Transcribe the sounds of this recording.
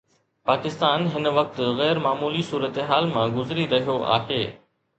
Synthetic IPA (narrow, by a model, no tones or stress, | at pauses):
paːkɪst̪aːnɦɪnʋɐk̚t̪ɣɛːɾmaːmuːlisuːɾət̪eɦaːlmãɡʊzɾiɾɐɦijoʔa̰ːɦeː